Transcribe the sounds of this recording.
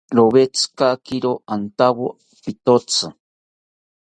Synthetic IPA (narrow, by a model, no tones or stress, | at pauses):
ɾoβet͡sɨ̥kakiɾoant̪awo | pit̪ot͡sʰɨ